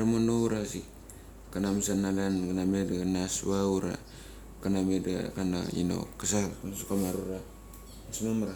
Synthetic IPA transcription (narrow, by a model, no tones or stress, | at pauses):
ɾmonowɾasi | kanamsanalankanamedɡanasβawɾa̰ | kanameda̰kana̰ḭno̰kasasukamaɾuɾa | asmamaɾa